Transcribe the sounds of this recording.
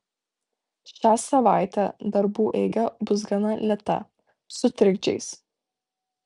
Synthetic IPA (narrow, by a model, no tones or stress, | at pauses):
ʃʲæːsɐʋɑˑɪt̪ʲæd̪ɐɾbuːʔɛɪɡʲɛbʊsɡɐnɐlʲɛt̪ɐ̰ | sʊt̪ʲɾʲɪɡd͡ʒʲɛ̰ɪs